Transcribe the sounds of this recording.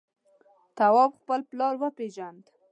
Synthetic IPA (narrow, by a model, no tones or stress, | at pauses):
t̪awɑbxpəlplɑɾwəpɾeʒand̪